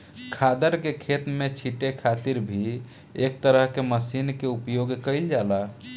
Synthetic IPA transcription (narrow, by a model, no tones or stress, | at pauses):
kʰad̪əɾkekʰet̪met͡ʃʰiʈekʰat̪iɾbʱi | ek̚t̪əɾəɦkeməsinkeupjoɡkəɪld͡ʒala